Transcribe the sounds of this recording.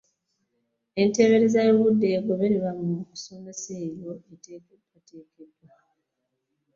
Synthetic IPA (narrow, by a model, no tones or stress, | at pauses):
e̞nte̞βe̞ɾezajoβudːe̞ːɡoβe̞ɾeβamuku̥so̞me̞seːβo̞etekebwate̞ːkebwa